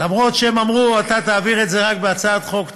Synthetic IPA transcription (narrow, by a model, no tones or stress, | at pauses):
lamʁo̞t̪ʃeemamʁuat̪at̪aːviʁe̞tze̞ʁakbeat͡saad̪χo̞k